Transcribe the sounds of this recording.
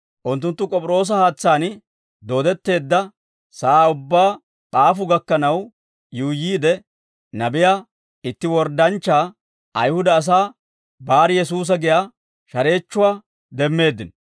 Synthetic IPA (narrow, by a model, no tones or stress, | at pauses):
ʔʊnt̪ːʊnt̪ːʊkʼɔpʼɪɾo̞ːs̬ɐhaːt͡sːaːn | d̪o̞ːd̪ɛt̪ːe̞ːd̪ːɐ | saaːʊbːaː | ɓaːfʊɡɐkːɐnɐw | juːjiːd̪ɛ | nɐbɪjaː | ɪt̪ːɪwɔɾd̪ɐnt͡ʃːaː | ɐjhʊd̪ɐːs̬aː | baːɾɪjɛsuːs̬ɐɡɪjaː | ʃɐɾe̞ːt͡ʃːʊwaː | d̪ɛmːe̞ːd̪ːɪn